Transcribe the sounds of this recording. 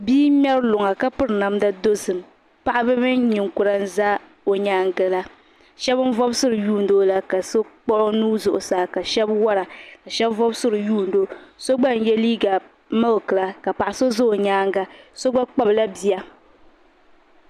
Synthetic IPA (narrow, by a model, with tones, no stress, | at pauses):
biː˦mʲɛ˦ɾlʊ˨ŋa˨ka˦pɨ˦ɾɨ˨na˨mda˦do˦zɨ˨m˨ | pa˦ʔa˦bɨ˦mɨ˦nɲi˨ŋku˨ɾa˦n̩˦za˦ | o˨ɲaː˦ŋɡɨ˨la˦ | ʃɛ˦bɨ˦n˦vɔ˦bsɨ˦ɾɨ˨juː˦˨n̩˨do˦la˦ka˨so˦k͡pɔ˦ɾnuː˦zʊ˨ʔʊ˨saː˨ka˨ʃɛ˦bwɔ˦ɾa˨ka˨ʃɛ˦bvɔ˦bsɨ˦ɾɨ˨juː˦˨n˨do˦so˦ɡ͡ba˦˨n˨jɛ˦liː˦ɡa˨ | ma˦lkɨ˨la˨ka˨pa˨ʔa˨so˦zo˦o˨ɲaː˦ŋɡa˦so˦ɡ͡ba˦k͡pa˦bla˦bi˨ja˦